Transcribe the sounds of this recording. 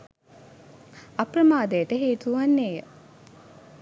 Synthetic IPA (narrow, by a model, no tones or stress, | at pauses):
ɐpɾəmaːd̪ejəʈəɦeːt̪uʋanːeːjə